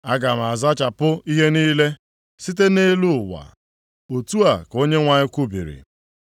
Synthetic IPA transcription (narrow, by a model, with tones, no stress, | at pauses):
a˦ɡa˨m̩˨a˨za˦t͡ʃa˨pʊ˦i˦ɦe˦niː˦le˦ | si˦t̬e˦ne˦lu˦ʊ˨wa̰˨ | o˨tu˦a˨ko˦ɲe˦ŋʷa˨ɲɪ˦kʷu˦bḭ˨ɾḭ˨